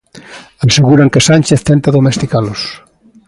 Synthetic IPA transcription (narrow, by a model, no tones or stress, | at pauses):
aseɣuɾaŋkesanʲt͡ʃeθt̪ɛnt̪aðomest̪ikalos